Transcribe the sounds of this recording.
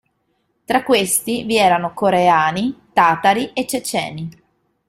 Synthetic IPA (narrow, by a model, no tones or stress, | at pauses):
t̪ɾakːwest̪iviɛːɾanokoɾeaːnit̪aːt̪aɾiet͡ʃːet͡ʃɛ̰ːni